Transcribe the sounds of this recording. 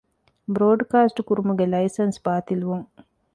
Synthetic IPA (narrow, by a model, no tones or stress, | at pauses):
bɾoːɖkaːsʈkuɾumuɡelɐjsɐnspaːt̪iluʋɐŋ